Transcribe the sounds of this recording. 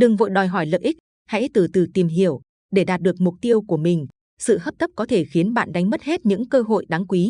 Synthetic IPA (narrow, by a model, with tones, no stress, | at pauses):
ɗɨ˨˩ŋvo̰˧˨jɗɔ˨˩jɦɔ˧˩jlə̰ː˧˨ʔi˦˥k̚ | ha̰˧˥jt̪ɨ˨˩t̪ɨ˨˩t̪i˨˩mɦi˧˩əw | ɗe˧˩ɗaː˨˩t̚ɗɨ˨˩ək̚mʊ˨˩k͡p̚t̪i˧əwku˧˩əmï˨˩ŋ̟ | sɨ̰˧˨həː˦˥p̚t̪ʰə˦˥p̚kɔ˨˦t̪ʰe˧˩xi˨˦ənɓa̰ː˧˨nɗa˨˦ŋ̟mə˦˥t̚he˦˥t̚ɲɨ̰˧˥ŋkəː˧ɦo̰˧˨jɗa˨˦ŋkwi˨˦